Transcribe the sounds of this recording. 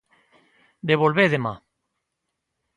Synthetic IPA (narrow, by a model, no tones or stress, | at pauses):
d̪eβolβeðema̰